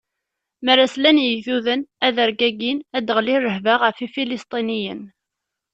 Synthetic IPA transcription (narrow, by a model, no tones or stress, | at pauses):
mæɾaslænjəθuðənæðəɾɡæɡinæd̪əʁlirːəɦvaʁəfifilist̪ˤinijən